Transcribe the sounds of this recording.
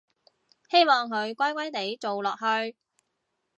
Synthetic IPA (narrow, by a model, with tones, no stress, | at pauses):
he˥jmɔː˨ŋkɵ˨˧ɥkʷɐ˥jkʷɐ˥jt̪e˨˥jt͡so˨wlɔː˨k̚hɵ˧ɥ